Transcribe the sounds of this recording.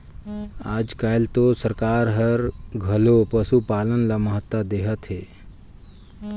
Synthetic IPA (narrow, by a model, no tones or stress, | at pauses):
aːd͡ʒkajlt̪osəɾkaːɾɦəɾɡʱɐlopəsupaːlənlaməɦət̪ːwad̪eɦət̪ɦeː